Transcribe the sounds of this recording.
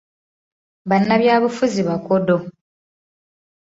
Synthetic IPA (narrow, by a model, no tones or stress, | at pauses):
βanːaβjaːβufuziβakodo̞